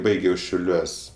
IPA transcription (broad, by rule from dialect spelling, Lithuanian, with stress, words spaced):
ˈbɐɪɡʲɛʊ ʃʲɛʊˈlʲuɔsʲ